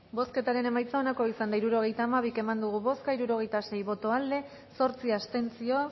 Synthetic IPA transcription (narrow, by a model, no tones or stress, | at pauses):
bo̞ske̞t̪aɾe̞ne̞majt͡sao̞nako̞isand̪aiɾuɾo̞ɣ̞e̞jt̪aːmaβ̞ike̞mand̪uɣ̞uβo̞skaiɾuɾo̞ɣ̞e̞jt̪ase̞jβo̞t̪o̞ald̪e̞ | so̞ɾt͡siast̪e̞nt͡sio̞